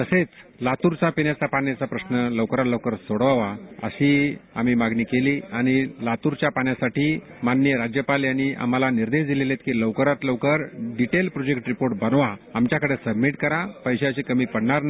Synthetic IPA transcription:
t̪əset͡slat̪uɾt͡sapinjat͡sapaɳjat͡sapɾəsnələwkəɾat̪ləwkəɾsoɽʋaʋaə̰ɕia̰miːmaɡniːkeliːaɽ̃ilat̪uɾt͡ɕjapaɳjasaʈiː | manːjəɾad͡ʑjəpaljañiʔa̰m̤alaniɾd̪eɕd̪ilelet̪kiləwkəɾat̪ləwkəɾɖiʈelpɾod͡ʑekʈɾipoɾʈbənʋaamt͡ɕjakəɽesəbmiʈkəɾapəjɕeəɕikəmiːpəɽɳaɾna

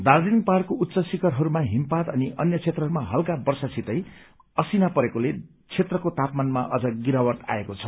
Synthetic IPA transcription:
d̪ard̪inparkout̪ːt͡sʌsikʌrɦʌɾumaɦimpat̪ʌniʔʌnjʌt͡sʰet̪rʌɦʌɾumaɦʌlkabʌrsasit̪ʌj | ʌsinapʌɾekole | t͡sʰet̪rʌkot̪apmanmaʔʌd͡zʌɡiɾawʌrt̪a̰ekot͡sʰʌ̥

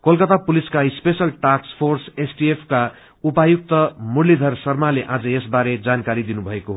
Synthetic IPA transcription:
kolkʌt̪apuliskaispesʌlʈakspʰorsesʈiepʰka | upajuk̚t̪ʌmuɽlid̪ʱʌrsʌrmaleʔãd͡zʌjesbaɾed͡zankaɾid̪inubʱʌekoɦ

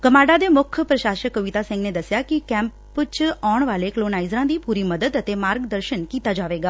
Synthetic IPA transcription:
kəmaːɖad̪emʊkʰjəpɾəʃaːʃəkːəʋit̪asɛ̃ŋɡned̪əsjakikɛ̃mp | t͡ʃɔɳ̃ʋaːlekloːnaːizɾãd̪ipuɾiməd̪əd̪ət̪emaːɾɡd̪əɾʃənkiːt̪ad͡ʒaːʋeːɡaː

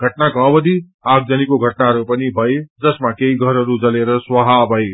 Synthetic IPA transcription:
ɡ̥ʱʌʈnakʌbʌd̪i | aɡ̚d͡zʌnikoɡʱʌʈnaɾupʌnibʱʌed͡zʌsmakeiɡʱʌɾʌɾud͡zʌleɾʌswʌɦabʱʌe

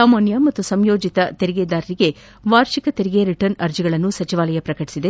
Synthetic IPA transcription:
saːmaːnjɐmɐt̪ːusɐmjo̞ːd͡ʒit̪ɐt̪e̞ɾiɡe̞ːd̪aːɾɐɾiɡe̞ | ʋaːɾʃikɐt̪eɾiɡe̞ɾiʈɐɾnɐɾd͡ʒiɡɐɭɐnːusɐt͡ʃiʋaːlɐjɐpɾɐkɐʈi̥sid̪e

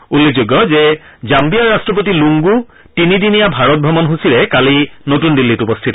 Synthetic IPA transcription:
ulːezuɡːɔzɛ | zampiaɹastɹɔp̬ot̬iluŋɡu | tinidinijabʱaɹɔt̚bʱɔmɔnɦusilɛkalinotundilːitupɔstʰitɔ

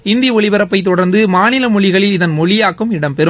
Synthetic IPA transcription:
ɪnd̪iɔɭɪʋɐɾɐpːɐɪt̪̬ːɔɽɐɾnd̪ɯmaːnɪlɐmɔɭɪɣɐɭɪlɪðɐnmɔɭɪjaːkːɯmɪɽɐmpɛɾɯm

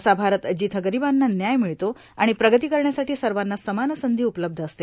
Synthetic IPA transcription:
sabʱaɾət̪əd͡ʑit̪ʰəɡəɾibanːanjajmiɭt̪o | a̰ɽ̃ipɾəɡət̪iːkəɾɳjasaʈiːsəɾʋanːasəmanəsənd̪ʱiːupləb̚d̪ʱəəst̪e

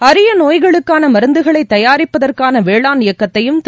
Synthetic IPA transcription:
ɐɾɯjɐnoːjɣɐɭɯkːaːnɐmɐɾɯnd̪ɯɣɐɭɐɪt̪ːɐjaːɾɪpːɐðɐrkaːnɐʋeːɭaːnɪjɐkːɐt̪ːɐjɯmt̪

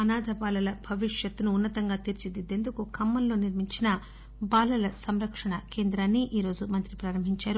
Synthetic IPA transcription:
ɐnaːd̪ʱɐbaːlɐlɐbʱɐʋiʂjɐt̪ːunuːnːɐt̪ɐŋɡaːt̪iːɾt͡ʃid̪id̪e̞nd̪ukukɐmːɐnlo̞ːniɾmiɲt͡ʃinɐ | baːlɐlɐsɐmɾɐkʂɐɳɐke̞ːnd̪ɾaːnːiʔiːɾo̞ːd͡ʒumɐnt̪ɾipɾaːɾɐmbʱiɲt͡ʃaːɾu

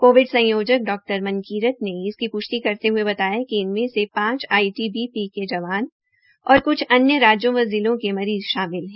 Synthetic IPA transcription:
koːʋɪɖsɐ̃joːd͡ʒək̚ɖɔːk̚ʈəɾmɐ̃nkiːɾət̪neɪskipʊʃt̪ikɐɾt̪eɦuebɐt̪aːjakiɪnmẽsepãːt͡ʃaːiʈibipiked͡ʒɐʋaːn | ɔːɾkʊt͡ʃʰɐnjəɾaːd͡ʒjõʋɐəziːlõkemɐɾiːzʃaːmɪlɦɛ̃ː

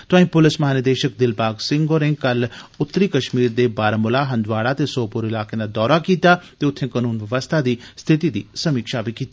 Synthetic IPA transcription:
t̪ʊãːĩːpʊlɪsməɦaːnjəd̪eːʃək̚d̪ɪlpaːɡsɪ̃ŋɡoːɾɪ̃ŋɡ̚kəlʊt̪ːəɾiːkəʃmiːɾd̪eːbaːɾəmʊlaːɦə̃nd̪ʋaːɽaːt̪eːsoːpʊɾɪlaːkẽːd̪aːd̪ɔːɾaːkiːt̪aːt̪eːʊt̪ʰːẽːkənuːnʋəʋəst̪ʰaːd̪iːst̪ʰɪt̪iːd̪ḭːsəmiːkʃaːbikiːt̪aː

